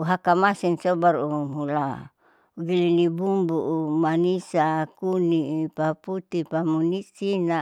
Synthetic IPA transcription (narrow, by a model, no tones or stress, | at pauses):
uɦakamasinsobaɾumula | uɡilinibumbuʔumanisakunipaput̪ipamunisina